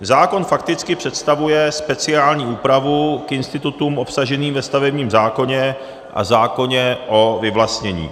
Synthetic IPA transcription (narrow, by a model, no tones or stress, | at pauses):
zaːko̞nfakt̪ɪt͡skɪpr̥ɛt̪st̪avujɛspɛt͡sɪaːlɲiːuːpɾavukɪnst̪ɪt̪ut̪uːmʔo̞psaʒɛniːmvɛst̪avɛbɲiːmzaːko̞ɲɛ | ʔa̰zaːko̞ɲɛʔo̞vɪvlast̪ɲɛɲḭː